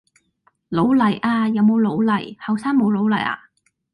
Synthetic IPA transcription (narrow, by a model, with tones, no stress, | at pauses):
lo˨˥wlɐ˨˩jʔaː˧jɐ˨˧wmo˨˧wlo˨˧wlɐ˨˩jhɐ˨wsaː˥ŋmo˨˧wlo˨˥wlɐ˨˩jʔa̰ː˧